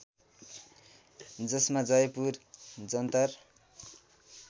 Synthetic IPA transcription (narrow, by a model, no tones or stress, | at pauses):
d͡zʌsmad͡zʌjʌpurd͡zʌnt̪ʌr